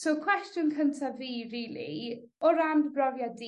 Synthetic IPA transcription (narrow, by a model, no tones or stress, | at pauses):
sowkʰw̥ɛstjʊnkʰəntʰaviːɾiːlˠḭ | ɔɾambbrɔvjadi